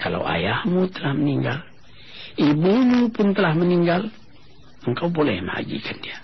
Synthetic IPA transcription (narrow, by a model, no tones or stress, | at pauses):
kala̰wa̰jahmut̪əlahməniŋɡal | ibumupʊnt̪əlahməniŋɡal | əŋkawbolɛ̰hmə̰a̰ɡḭkʰandia